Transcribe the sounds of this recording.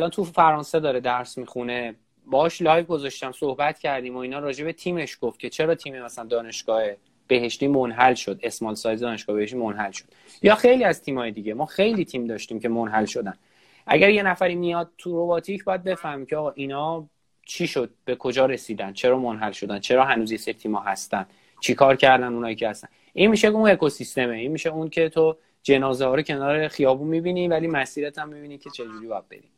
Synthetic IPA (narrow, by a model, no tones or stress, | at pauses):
ælɒnt̪ʰufæɾɒːnsed̪ɒːɾed̪æɾsmixune̞ | bɒːhɒʃlɒːjvɡo̞zɒʃt̪æmsohbæt̪cʰæɾd̪iːmoiːnɒːɾɒːd͡ʒe̞bet̪ʰiːmeʃɡ̥oft̪̚cʰe̞t͡ʃʰe̞ɾɒːt̪ʰiːmemæsælænd̪ɒːne̞ʃɡ̥ɒːhe | b̥e̞ɦe̞ʃt̪iːmonɦælʃo̞d̪e̞smɒlsɒːjd̪zed̪ɒːneʃɡ̥ɒːebeheʃt̪imonɦælʃod̪̥ | jɒːxe̞jliːæzt̪ʰiːmhɒːjed̪iɟemɒːxe̞jliːt̪ʰiːmd̪ɒːʃt̪iːmce̞monɦælʃo̞d̪æn | ʔæ̰ɟæɾje̞næfæɾiːmijɒd̪̥̚t̪ʰuɾo̞bɒːt̪ʰicʰbɒjæd̪̚be̞fæhmiːcʰeɒːɣɒːʔinɒː | t͡ʃʰiːʃod̪̥̚b̥e̞kʰo̞d͡ʒɒːɾe̞siːd̪æn̥t͡ʃʰe̞ɾɒːmonɦælʃo̞d̪ænt͡ʃʰe̞ɾɒːɦænuːzjeseɾit̪ʰiːmɒːɦæst̪ænd̪̥ | t͡ʃʰikʰɒːɾcʰæɾd̪ænd̪unɒːjicʰehæst̪ænʔinmiʃeune̞kʰo̞sist̪e̞meinmiʃeuncʰe̞t̪ʰo | d͡ʒe̞nɒːzeɦɒːɾocʰe̞nɒːɾe̞xijɒːbunmibinivælimæsiːɾæt̪ʰæmːibiːnicʰe̞t͡ʃʰe̞d͡ʒuɾiːbɒːjæd̪̚be̞̰d̪im